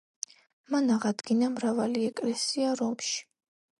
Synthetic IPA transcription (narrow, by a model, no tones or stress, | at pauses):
manaʁad̪ɡinamɾavaliɛkʼlɛsiaɾɔmʃi̥